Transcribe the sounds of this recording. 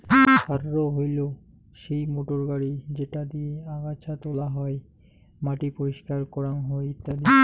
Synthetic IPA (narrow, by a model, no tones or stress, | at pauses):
bʰʱaɾɾoɦojlo | ʃejmoʈoɾɡaɽid͡ʑeʈad̪ieaɡat͡ɕʰat̪olaɦɔe | maʈipoɾiʃkaɾkɔɾanɦojit̪ːali